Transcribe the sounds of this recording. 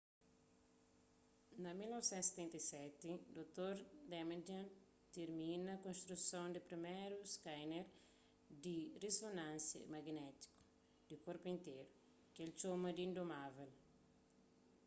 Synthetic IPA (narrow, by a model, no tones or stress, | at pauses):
nɐmilnɔvsɛ̃nt̪use̥t̪ɛ̃nt̪ɐjsɛt̪id̪ot̪oɾd̪ɛment̪õn | t̪eɾmĩnɐkõnst̪ɾusõnd̪ipɾimeɾuskajneɾ | d̪iresonãnsjɐ̰mɐɡnɛt̪i̥ku̥ | d̪̥ikoɾpuĩnt̪eɾu | kelt͡ʃomɐd̪iĩnd̪omavel